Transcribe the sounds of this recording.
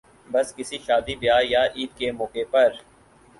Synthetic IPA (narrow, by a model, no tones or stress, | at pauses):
bɐskɪsiʃaːd̪ibɪjaːjaʔiːʈ̪kemɔːkepɐɾ